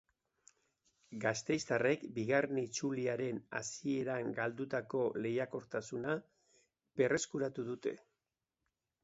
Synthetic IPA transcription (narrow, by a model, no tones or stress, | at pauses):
ɡast̪e̞jst̪are̞kbiɣarnit͡suliaɾe̞na̰sie̞ɾaŋɡald̪ut̪ako̞le̞jako̞ɾt̪asuna | pe̞re̞skuɾat̪uðut̪e̞̰